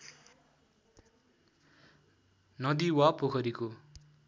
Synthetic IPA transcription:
nʌd̪iwapokʰʌɾiko

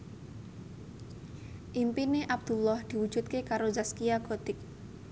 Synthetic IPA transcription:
ʔimpineʔab̚d̪̥ṳlɔhd̪̥i̤wud̥ʒ̥ṳt̪̚kekaɾozaskijaɡ̥o̤t̪ɪk̚

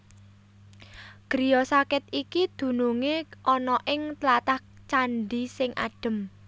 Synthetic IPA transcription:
ɡ̥ɾijɔsakɪt̪̚ikid̪̥ṳnuŋeʔɔnɔʔɪŋt̪lat̪aht͡ʃanɖisɪŋʔa̰ɖ̥ə̤m

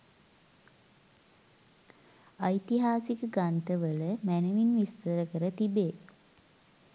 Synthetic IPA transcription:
ɐjt̪iɦaːsikəɡant̪əʋələmænəʋinʋist̪əɾəkəɾət̪ibeː

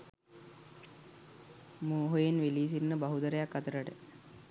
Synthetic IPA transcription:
muːɦojenʋeliːs̬inːəbɐɦud̪əɾəjakːat̪əɾəʈə

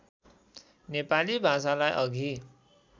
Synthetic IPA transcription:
nepalibʱasalajʔʌɡʱi

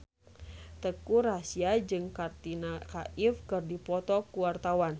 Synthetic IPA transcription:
t̪əkuɾasiad͡ʒɨŋkart̪inakaʔifkɨrdipɔt̪ɔkuwart̪awan

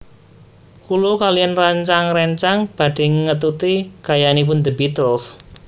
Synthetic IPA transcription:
kulokalijanraɲt͡ʃaŋrɛɲt͡ʃaŋb̥a̤d̪̥e̤ŋət̪̬ut̪iɡ̥ajanipʊnd̪əbit̪əls

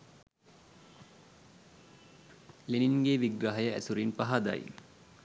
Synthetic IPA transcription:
leniŋɡeʋiɡɾaɦɐjəæ̰suɾinpaɦad̪a̰j̰

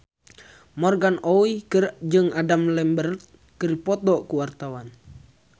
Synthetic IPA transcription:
mɔrɡanɔikɨrd͡ʒɨŋadamlɛmbərt̪̚ | kɨripɔt̪ɔʔkuwart̪awan

